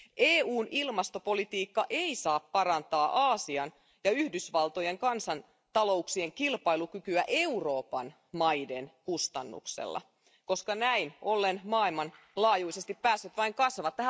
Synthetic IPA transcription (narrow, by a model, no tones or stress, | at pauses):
ʔeːuːnʔilmɑst̪o̞po̞lit̪iːkːɑʔeisɑːppɑɾɑnt̪ɑːʔɑːsiɑn | jɑyhdysʋɑlt̪o̞je̞ŋkɑnsɑn | t̪ɑlo̞uksieŋkilpɑilukykyæʔe̞uro̞ːpɑn | mɑidenkust̪ɑnːṵksḛlːɑ̰ | ko̞skɑnæinʔo̞lːenmɑːilmɑn | lɑːjuisest̪ippæːsːøt̪ʋɑiŋkɑsʋɑt̪ːæɦæ